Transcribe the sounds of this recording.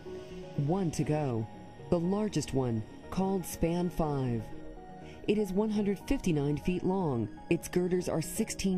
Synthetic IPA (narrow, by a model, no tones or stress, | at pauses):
wʌ̃ntʰɨɡoʊ | ðəlɑɹd͡ʒɨst̚wʌ̃n | kʰɔlˠd̥spæ̃nfaɪv̥ | ʔɨɾɨzwʌ̃nɦʌ̃ndɹɨd̥fɪftinãɪ̃nfiʔˡlɔ̃ŋ | ɨtsɡ̥ɜ˞ɾə˞zə̰˞sɪkstʰĩ